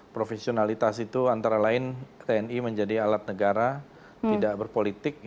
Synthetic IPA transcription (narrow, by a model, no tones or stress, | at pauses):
pɾofesionalit̪asit̪uant̪aɾalaɪnt̪eɛniməɲd͡ʒadialat̪̚nəɡaɾa | t̪idaʔbərpolit̪ɪk̚